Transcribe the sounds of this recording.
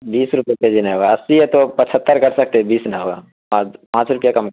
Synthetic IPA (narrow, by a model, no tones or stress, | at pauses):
biːsɾʊpjeked͡ʒinaɦoːɡaəsiɦɛt̪opət͡ʃʰət̪ːəɾkɐɾsək̚t̪ebiːsnaɦoːɡaː | apãːt͡ʃɾʊpjakɐmk